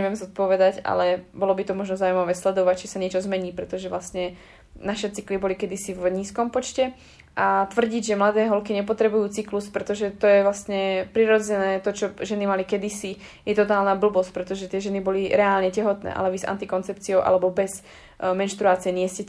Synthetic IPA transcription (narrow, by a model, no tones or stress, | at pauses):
ɛʋɪɛmzɔt̪̚pɔʋɛd̪aca̰lɛbɔlɔbit̪ɔmɔʒnɔzaːumaʋɛːslɛd̪ɔʋact͡ʃisaɲɪɛt͡ʃɔzmɛɲiːpɾɛt̪ɔʒɛʋlasɲɛ | naʃɛt͡siklibɔlikɛd̪isivɲiːskɔmpɔt͡ʃcɛ | ʔat̪ʋr̩ɟiɟʒɛmlad̪ɛːɦɔlkiɲɛp̬ɔt̪ɾɛbujuːt͡sikluspɾɛt̪ɔʒɛt̪ɔjɛʋlasɲɛpɾiɾɔd͡zɛnɛːt̪ɔt͡ʃɔʒɛnimalikɛd̪isi | jɛt̪ɔt̪aːlnaːbl̩bɔsc̚pɾɛt̪ɔʒɛt̪ɪɛʒɛnibɔliɾɛaːlɲɛcɛɦɔt̪nɛ̰ːʔa̰lɛʋiza̰nt̪ikɔnt͡sɛp̚t͡siɔʊʔa̰lɛbɔbɛz | mɛnʃt̪ɾuaːt͡siɛɲɪɛscɛ